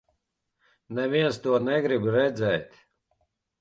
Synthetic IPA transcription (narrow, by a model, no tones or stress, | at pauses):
nɛviɛnst̪uɔnɛɡɾibɾɛd̪zɛːt̪ʲ